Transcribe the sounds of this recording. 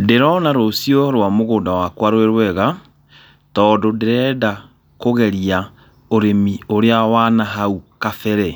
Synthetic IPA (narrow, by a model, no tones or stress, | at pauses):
deɾɔnaɾosijoɾwamoɣoːndawakwaɾweɾwɛɣa | tɔːdodeɾɛːda | koɣɛɾia | oɾemioɾeawanaɦaukafɛɾɛ